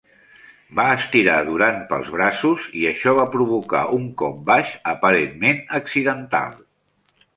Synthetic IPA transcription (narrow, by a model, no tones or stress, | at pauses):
baəst̪iɾaðuɾanpə̰lˠzβ̞ɾasuziəʃɔβapɾuβ̞uka̰ʔuŋkɔ̰p̚baʃəpəɾenmenəksiðənt̪a̰lˠ